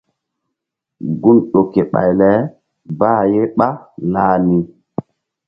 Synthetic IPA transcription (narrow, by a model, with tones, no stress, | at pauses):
ɡu˦nɗo˨ke˨ɓa̰˨jlɛ˨˦ | baː˦˨je˦ɓa˦laː˨ni˨